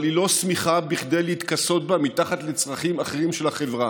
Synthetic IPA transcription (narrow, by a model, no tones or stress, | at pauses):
lilo̞smiχabiχd̪ejleit̪kaso̞t̪̚bamit̪aχat̪let͡sʁaχimaχeʁimʃelaχe̞vʁa